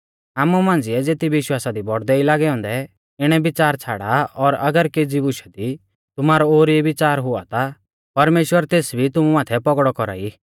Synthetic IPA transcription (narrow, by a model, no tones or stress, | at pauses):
aːmumãːn̆d͡zɪɛd͡zeːt̪ibɪʃwaːsad̪ibɔɽd̪ɛilaːɡɛɔ̃ːnd̪ɛ | ɪɽ̃ɛbɪt͡saːɾt͡sʰaːɽaɔɾɐɡəɾkeːd͡zibʊʃɛd̪i | t̪ʊmaːɾɔoːɾiɛbɪt͡saːɾɦʊa̰t̪a | pɐɾmeːʃwəɾt̪eːsbʱit̪ʊmumaːt̪ʰɛpɔɡɽɔkɔɾa̰ːi